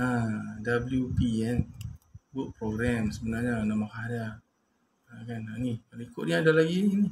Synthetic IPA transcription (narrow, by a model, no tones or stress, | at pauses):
adabəljupiɛnbʊʔ̚pɾoɡɾamsəbənarɲanamakaɾa | akananikaloikʊʔniadalaɡiini